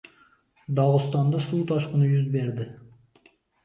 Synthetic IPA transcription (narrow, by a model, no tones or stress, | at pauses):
d̪ɑʁʊst̪ɑnd̪ɑsuːt̪ʰɑʃqənəjʏzbeɾd̪ɪ